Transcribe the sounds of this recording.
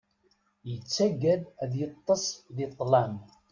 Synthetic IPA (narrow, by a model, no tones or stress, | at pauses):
jət͡sːæɡæðæðjət̪ˤːəsˤðit̪ˤːlæm